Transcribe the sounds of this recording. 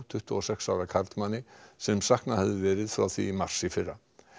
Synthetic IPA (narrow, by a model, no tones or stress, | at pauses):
t̪ʰʏht̪ʏɔsɛksaːwɾakʰaɾt̪manːɪsɛmsahknahɛvðɪvɛːɾɪðfɾawθḭmar̥sɪfɪrːa